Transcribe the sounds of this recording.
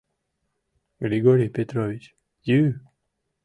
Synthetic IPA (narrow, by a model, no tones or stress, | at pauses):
ɡɾiɡɔɾipet̪ɾɔvit͡ʃ | ju